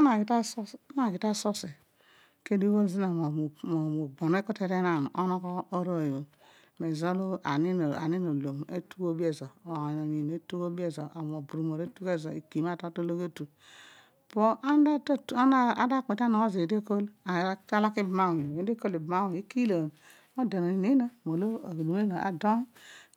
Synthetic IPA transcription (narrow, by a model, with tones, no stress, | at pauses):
a˦na˨ɡi˨ta˦so˦na˦˨ɡi˨ta˦so˦se˨ | ke˦di˦o˦lzi˦na˨m˨mo˨mo˨ɡ͡bo˨n˦e˦ko˦te˦ɾe˦na˨n˨o˦no˦kɔ˦o˦ɾo˦˨jo˨ | me˨zo˦lu˦a̰˨ni˦n˨a̰˨ni˦no˨lo˨mḛ˦tu˦ko˦bi˦e˨zo˨o˨a˨n˨o˨ɲi˨n˨e˦tu˦ko˦bi˦e˦zo˨a˨m˨o˨bu˨ɾu˨mo˨ɾe˦tu˦ke˦˨zo˨ḭ˨ki˨ma˦˨ta˦to˦lo˦ke˦tu˨ | po˦ʔa˦da˦tn˦a˦da˦˨k͡pe˨ta˦nɔ˨ko˦˨ze˨de˦ko˦la˨a˦t͡ʃa˦la˦ki˦bma˦˨e˨˦de˦ko˦li˨bma˦wi˦ki˦lo˨ | o˦da˨no˨i˨ne˦no˦mo˨lo˦˨lu˨me˦no˨a̰˨do˦n